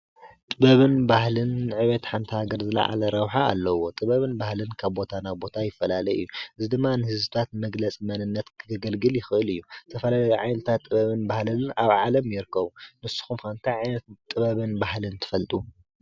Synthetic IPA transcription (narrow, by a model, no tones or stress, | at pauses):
t̪ʼɨβɐβɨnbahlɨnʕɨβɐt̪ħant̪ʰihaɡɐɾzɨlɐ̰ʕa̰lɐɾɐwħaa̰lːɐwo̞t̪ʼɨβɐβɨnbahlɨnkʰaβbo̞t̪ʰanaβbo̞t̪ʰajɪfːɐlalɐjɨjːuʔɨzid̪ɨmːanɨhɨzɨt̪ʰat̪mɐɡlɐt͡sʼmɐnɨnːɐt̪kʰɡɨɡɐlɡɨljɪxɨʔɨlɨjːut̪ʰɐfɐlalɐjʕajnɨt̪ʰat̪ʼːɨβɐβɨnbahlɨnaβʕalɐmjɪɾɨkʰːɐβunɨsːu̥xumkant̪ʰajʕajnɐt̪t̪ʼɨβɐβɨnbaɦlɨnt̪ʰɨ̥fɐlt̪ʼu